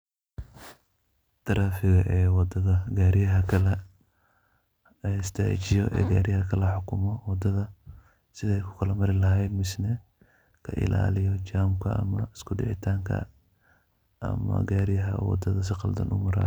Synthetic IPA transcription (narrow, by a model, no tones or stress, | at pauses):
t̪ʰɐɾaːfɪɣɐʔɛːwɑd̪ɐðɐɡaːɾɪjɐɦɐkʰɐlɛ | ɪst̪ʰa̰ːt͡ʃɪjɔʔɛ̰ːɡaːɾɪjɐhɐkʰɐlɐħʊkʰʊmɔwɑd̪ɐðɐ | sɪðɛɛjkʰʊ̥kʰɐlɐmɐɾɪlɐɦɛjd̪mɪsnɛ | kʰɐ̰ʔɪ̰la̰ːlɪjɔt͡ʃaːmkʰɐɐ̰mɐɪskʰʊɖɪ̰ʕɪ̰t̪ʰaːŋkʰɐ̰ | ʔɐ̰mɐ̰ɡaːɾɪjɐɦɐ̰wɑ̰d̪ɐðɐs̬ɪqɑ̰ld̪ɐ̰nʊmɐɾa̰ː